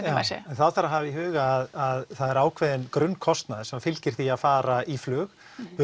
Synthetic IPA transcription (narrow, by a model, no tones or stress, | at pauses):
jaɛnθaðθaɾaɦavɪiɦʏːɣaːðaðθaðɛɾaːwkʰvɛðɪnkɾʏnːkʰɔst̪naðɪsɛmfɪlcɪɾ̥θiaðfaːɾaiflʏːx